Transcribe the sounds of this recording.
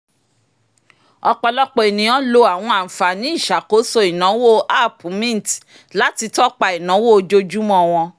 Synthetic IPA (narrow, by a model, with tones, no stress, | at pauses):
ɔ˧k͡pɔ˧lɔ˦k͡pɔ˧i˨nĩ˨ɔ̃˦lo˧a˨w̃ɔ̃˧a˨fa˨nĩ˦i˦˨ʃa˨ko˨˦so˦i˨nã˨˦wo˦˨a˦˨pu˨mĩ˦n˨t | la˨˦ti˧tɔ˦k͡pa˧i˨nã˨˦wo˦o˧d͡ʒo˦d͡ʒu˦mɔ̃˦˧w̃ɔ̃˧